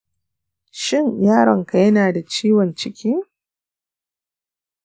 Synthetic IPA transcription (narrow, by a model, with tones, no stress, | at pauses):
ʃɪ˦˨ŋjaː˦ɽɐ˨ŋka˨jɐ˦naː˨da˨t͡ʃiː˦wɔ˨nt͡ʃɪ˦kʲiː˦